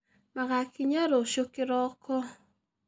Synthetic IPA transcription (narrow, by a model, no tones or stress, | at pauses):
maɣakiɲaɾoʃokɪɾɔkɔ